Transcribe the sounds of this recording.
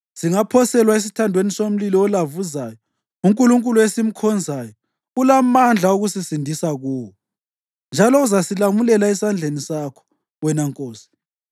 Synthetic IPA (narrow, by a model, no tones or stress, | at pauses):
ziŋapʰɔsɛlwaes̬i̥tʰandʱwenisom̩lilɔɔlavuzaːjɔ | uŋkʼuluŋkʼuluesim̩kʰɔnd͡zʱaːjɔ | ulamand͡ɮʱaoɣusisindʱisaɣuːwɔ | nd͡ʒʱalɔuzasilamulɛlaɛsand͡ɮʱenisakʰɔ̥ | wɛnaŋkʼoːsi̥